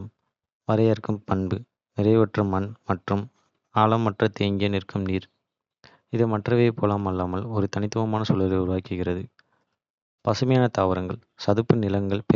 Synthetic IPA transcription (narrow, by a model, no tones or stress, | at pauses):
m | ʋɐɾɐjɐɾkɯmpɐɳbɯ | nɪrɐɪʋɐʈrɯmːɐnmɐʈrɯm | aːlɐmːɐʈrɐt̪eːŋɡɪjɐnɪrkɯmniːɾ | ɪðɯmɐʈrɐʋeːpʰoːlaːmɐlːaːmɐlɔɾɯt̪ɐnɪt̪ːɯʋɐmaːnɐsuːlɐlɐʊɾʊʋaːkɯɣɪrɐðɯ | pɐsɯmɐjaːnɐt̪aːʋɐɾɐŋɡɐɭ | sɐðɯpːɯnɪlɐŋɡɐɭpe